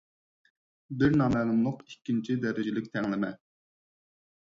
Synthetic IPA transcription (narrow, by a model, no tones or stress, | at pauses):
bɪɾnɑmɛnɨmlˠʊqikʲːint͡ʃʰid̪ɛɾɪd͡ʒɪlɪk̚ʲt̪ʰɛŋlɪmɛ